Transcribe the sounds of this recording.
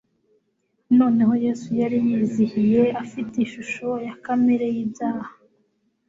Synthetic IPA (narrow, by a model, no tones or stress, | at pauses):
no̞ːne̞ho̞je̞ːsujaɾijiːzihije̞ʔafiteiʃuʃo̞jakameɾe̞jibjaːha